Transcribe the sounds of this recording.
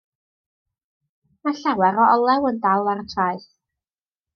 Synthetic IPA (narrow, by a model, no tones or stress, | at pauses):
maɬawɛɾɔɔlˠɛwəndalˠaɾətʰraɨθ